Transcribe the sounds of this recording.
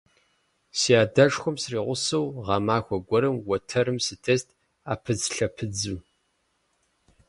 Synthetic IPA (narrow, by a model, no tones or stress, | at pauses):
siaːdɐʂxʷɔmsriːʁʷʊsɐwʁɑmaːxʷɔɡʷɔɾɨmwɐtʰɐɾɨmsɨtʰest̚ʰ | a̰ːpʰɨd͡zɬɐpʰɨd͡zuː